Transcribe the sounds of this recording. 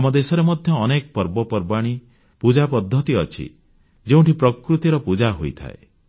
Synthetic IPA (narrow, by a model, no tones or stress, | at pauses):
mɔd̪esɔɾemɔd̪ʱjɔːnekɔpɔɾbɔpɔɾbaɽ̃i | pud͡ʒapɔd̪ʱːɔt̪iɔt͡ʃʰḭ | d͡ʒeũɳʈipɾɔkɾut̪iɾɔpud͡ʒaɦojt̪ʰa̰ḛ